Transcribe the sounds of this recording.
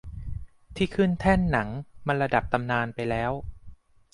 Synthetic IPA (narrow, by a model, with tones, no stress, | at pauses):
t̪ʰiː˥˩kʰɯ˥˩nt̪ʰɛ˥˩nːa˩˦ŋma˧nɾa˧da˨˩p̚t̪a˧mnaː˧npa˧jlɛː˦˥w